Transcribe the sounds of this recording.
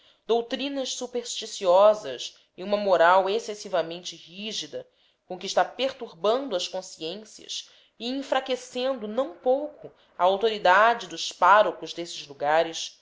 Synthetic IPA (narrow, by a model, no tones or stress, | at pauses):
d̪owt̪ɾĩnɐʃsupeɾʃt͡ʃisiɔzɐ̰s | ɪũmɐmoɾawesesivɐmẽnt͡ʃɪhiʒid̪ɐ | kõkiʃt̪apeɾt̪uɾbɐ̃nd̪ʊɐskõsiẽsiɐ̰s | ɪĩfɾakesẽnd̪ʊnɐ̃w̃powkʊ | ɐawt̪oɾid̪ad͡ʒɪd̪ʊspaɾokʊzd̪esɪzluɡaɾɪs